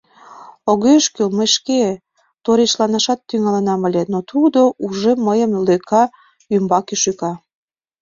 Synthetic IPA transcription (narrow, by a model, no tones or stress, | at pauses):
oɣøʃkylməʃke | t̪oɾet͡ɕlɑnɑʃɑt̪ːyŋɑlɑnɑməlʲenot̪ud̪oʔuʒemːəjəmløkʰɑ | ymbɑkyʃykɑ